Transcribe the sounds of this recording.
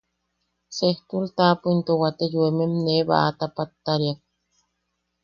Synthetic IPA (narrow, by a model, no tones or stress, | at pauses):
seht̪ult̪aːpuint̪owat̪ejuememneβa̰ʔat̪apat̪ːaɾiak̚